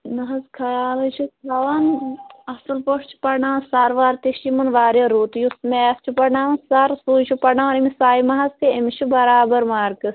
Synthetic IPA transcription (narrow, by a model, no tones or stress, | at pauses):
mɐɦɐzkʰɐjaːlɨt͡ʃʰuɐʋɐnɐsɐlpoʂt͡ʃʰi̥pɐɳaːnsaɾʋaːɾt̪iʃimɐnʋaːɾjɐɾuːt̪jusmest͡ʃʰipɐnaːʋɐnsaɾsuːt͡ʃʰupɐnaːʋɐnimisaːjimɐɦɐst̪iemiʃubɐɾaːbɐɾmaːɾkɨs